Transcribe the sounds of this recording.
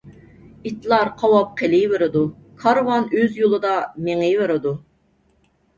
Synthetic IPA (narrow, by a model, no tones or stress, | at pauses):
it̪lˠɑɾqʰɑwɑp̚qʰelɪveɾɨd̪ukʰɑɾwɑnøzjolˠɨd̪ɑmeŋɪveɾɨd̪u